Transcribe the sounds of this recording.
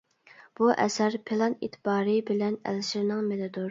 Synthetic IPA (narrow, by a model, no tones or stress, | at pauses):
b̥uʔɛ̰sæɾpʰelˠɑnḛt̪ʰbɑːɾɨbɪlɛnæ̰lʃɪɾnɪŋmed̪ɨd̪uɾ